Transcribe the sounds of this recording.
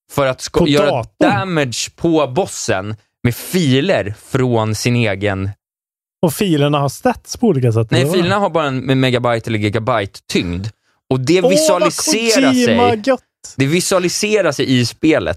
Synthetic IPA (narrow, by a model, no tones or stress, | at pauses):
fœɾat̪skjœːɾad̪d̪̥æmɪd̪ʂpʰɔbɔsːə̰n | mɛfiːləɾfɾoːnsɪneːɡən | ɔfiːləɳahast̪ɛt̪spʰɔuːliːkas̬ɛt̪ːnɛjfiːləɳaɦaɾbɑːɾaɛnɛmɛɡabajt̪ʰɛləɾɡɛɡabajt̪ʰːʏŋd̪ | ɔd̪ɛvɪsalɪseːɾaɛjɡɔt̪ːd̪ɛvɪsɵalɪseːɾaʂɛjɪspeːlə̰t̪